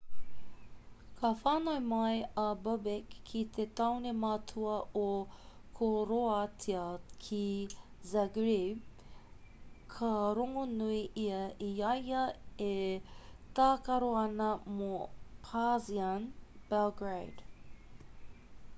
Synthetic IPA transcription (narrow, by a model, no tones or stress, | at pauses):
kʰɐfaːnɐjmɐjɐbɐbekʰːit̪ʰet̪ɐwnemɐtʰuɐokʰoɾoatʰiɐkʰi | zaɡɾi | kʰɐɾoŋonuiʔiɐʔiɐjɐe | t̪aːkɐɾoɐnɐmopʰazianb̥ɛlɡɹejd̥